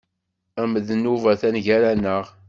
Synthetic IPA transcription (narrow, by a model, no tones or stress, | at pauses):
æməðənːuvæθænʝæɾænːəʁ